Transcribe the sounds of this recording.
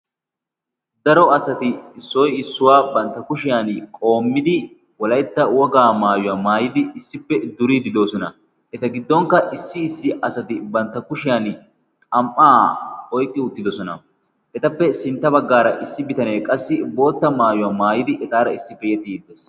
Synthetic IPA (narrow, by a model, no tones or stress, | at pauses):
d̪ɐɾɔɐsɐt̪ɪːsːɔjɪsːʊwaːbɐnt̪ːɐkʊʃɪjankʼo̞ːmːɪd̪ɪ | wɔlɐjt̪ːɐwɔɡaːmaːjʊwaːmaːjɪd̪ɪːsːɪpːɛd̪ʊɾiːd̪ɪd̪o̞ːsɔnɐ | ʔɛt̪ɐɡɪd̪ːɔŋkɐʔɪsːɪːsːɪʔɐsɐt̪ɪbɐnt̪ːɐkʊʃɪjan | t̪ʼɐmʔːaːɔjkʼːɪʊt̪ːɪd̪ɔsɔnɐ̰ | ʔɛt̪ɐpːɛsɪnt̪ːɐbɐɡːaːɾɐʔɪsːɪbɪt̪ɐneːkʼɐsːɪbo̞ːt̪ːɐmaːjʊwaːmaːjɪd̪ɪʔɛt̪aːɾɐɪsːɪpɛjɛt̪ʼːid̪ːɛs